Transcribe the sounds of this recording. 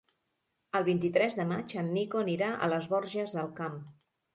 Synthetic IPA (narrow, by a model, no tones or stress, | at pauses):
əlˠβ̞int̪it̪ɾɛzðəmat͡ʃənːikoəniɾaʔə̰ləzβɔɾʒəzðəlˠkam